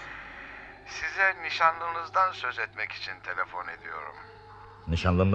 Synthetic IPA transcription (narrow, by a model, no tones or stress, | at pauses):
sizɛniʃanlˠɯːnɯzd̪ansø̞zɛt̪mɛki̥t͡ʃʰint̪ʰe̞lʲefo̞ne̞d̪ijo̞̰ɾṵm | niʃanlˠɯn